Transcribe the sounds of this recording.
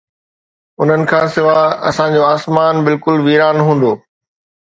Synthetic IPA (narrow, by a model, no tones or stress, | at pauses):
ʊn̤ənɪ̆kʰãːsɪʋaɐ̰sãd͡ʑoːaːsmaːnbɪlkʊlʋiːɾaːnɦũːnd̪oː